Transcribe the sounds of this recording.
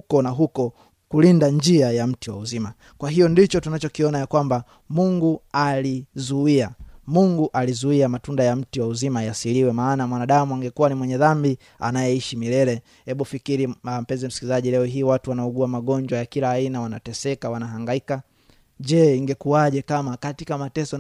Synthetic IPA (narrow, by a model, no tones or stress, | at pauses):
kɔnaɦukɔ | kulindaɲd͡ʒiajam̩tiwa̰uzima | kwaɦijɔndit͡ʃɔtunat͡ʃɔkiɔnajakwamba | muŋɡualizuiamuŋɡuʔalizuiamatundajam̩tiwauzimajasiliwɛmaːnamwanaɗamuaŋɡɛkuwanimwɛɲɛðambi | a̰najɛiʃimilɛlɛ | hɛɓufikiɾiam̩pɛnzim̩si̥kilizaʄilɛɔhiːwatuwanaɔɡuamaɠɔɲd͡ʒwajakilaːinawanatɛsɛkawanaɦaŋɡaika | ʄɛiŋɡɛkuaʄɛkamakatikamatɛsɔ